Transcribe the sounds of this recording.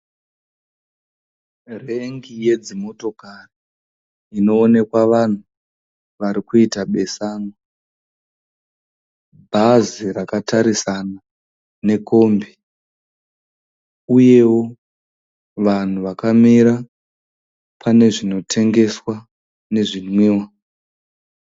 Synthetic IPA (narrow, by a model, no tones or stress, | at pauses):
re̞ŋɡije̞d͡zimo̞to̞kariː | no̞ːne̞kwaʋan̤u | ʋaɾikuitaɓe̞saːno | bʱazirakataɾisana | ne̞ko̞ːmbi | uje̞wo̞ | ʋan̤uʋakamiɾa | pʰane̞ʐino̞tʰe̞ŋɡe̞swa | ne̞ʐinwiːwa